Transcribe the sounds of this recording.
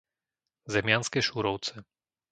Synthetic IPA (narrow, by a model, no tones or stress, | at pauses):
zɛmɪanskɛʃuɾɔʊt͡sɛ